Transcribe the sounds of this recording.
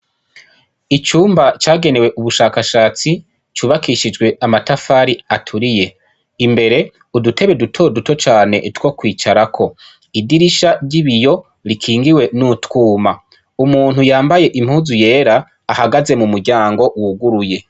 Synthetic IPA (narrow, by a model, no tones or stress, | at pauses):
it͡ʃuːmbat͡ʃaːɡe̞ne̞we̞ʔuβuʃaːkaʃaːt͡si | t͡ʃuːβakiʃid͡ʒɡwe̞amatafaːɾiatʰuɾije̞ | imbe̞ɾe̞ | udutʰe̞βe̞dutʰo̞duto̞t͡ʃaːne̞̰twokwiːt͡ʃaɾakʰo̞ | idiɾiʃaɾɟiβijo̞ | ɾikʰiːŋɡiwe̞nutkuːma | umuːn̥hujaːmbaje̞ʔim̥huːzuje̞ːɾaː | haɡaze̞mumuɾɟaːŋɡo̞wuɡuɾuje̞